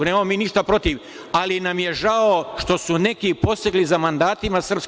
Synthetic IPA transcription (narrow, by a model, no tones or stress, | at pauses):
neːmamomiːniʃt̪apɾo̞t̪iʋ | alinamje̞ʒaoʃt̪o̞sune̞kipo̞st̪eɡlizamand̪aːt̪imasr̩psk